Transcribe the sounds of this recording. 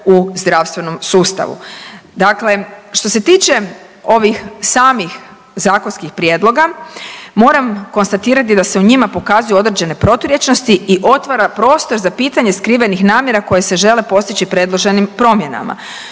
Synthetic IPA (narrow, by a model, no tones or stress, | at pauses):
uzd̪ɾaʋst̪ʋe̞no̞msuːst̪a̰ʋṵd̪akle̞ʃt̪o̞se̞t̪iːt͡ʃe̞ | o̞ʋixsaːmix | zaːko̞nskixpɾjed̪lˠo̞ɡamo̞ːɾamko̞nst̪at̪iːɾat̪id̪ase̞uɲimapo̞kazujuo̞d̪ɾed͡ʑe̞ne̞pɾo̞t̪uɾje̞t͡ʃno̞st̪iʔiʔo̞t̪ʋaɾapɾo̞ːst̪o̞ɾzapiːt̪aɲe̞skɾiʋe̞nixnaːmje̞ɾako̞je̞se̞ʒe̞le̞po̞st̪it͡ɕipɾe̞d̪lˠo̞ʒe̞nimpɾo̞mje̞na̰ma̰